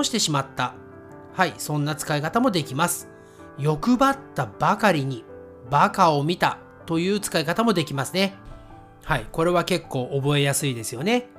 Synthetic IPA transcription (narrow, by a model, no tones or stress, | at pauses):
oɕi̥t̪e̞ɕimat̪ːa | haisõ̞nːat͡sɨ̥kaikat̪amo̞d̪e̞kʲimasɨ̥ | jo̞kɯ̟bat̪ːabakaɾʲiɲ̟i | bakao̞mʲit̪a̰ | t̪o̞jɯ̟ːt͡sɨ̥kaikat̪amo̞d̪e̞kʲimasɨne̞ | haiko̞ɾe̞β̞ake̞kːo̞ːʔobo̞e̞jasɨid̪e̞sɨjo̞ne̞